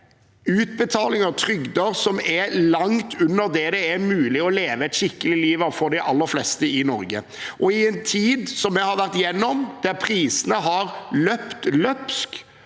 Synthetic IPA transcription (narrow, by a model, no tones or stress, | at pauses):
ʉːt̪̚bət̪ʰɑːlɪŋəʁt̪ʰɾʏɡd̪əɾsɔmɛlɑŋt̪ʰʉnːəɾd̪ɛd̪ɛæɾmʉːlɪɔleːʋəɛt̪ʃɪkːəlɪliːʋɑfɔɾd̪ɛʔɑlːəɾflɛst̪əɪnɔ̰ɾɡə | ʔɔɪɛnt̪ʰiːd̪sɔmːɛhɑɾʋæʁt̪jɛnːɔmd̪̥æɾpʰɾiːsənəɦɑɾlœpt̪lœpsk